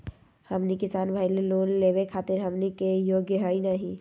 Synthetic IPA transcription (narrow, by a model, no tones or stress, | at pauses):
hɐmnikɪsaːnbʱaːileloːnleːwekʰaːt̪ɪɾɦɐmnikejoːɡjəɦaːinaɦĩ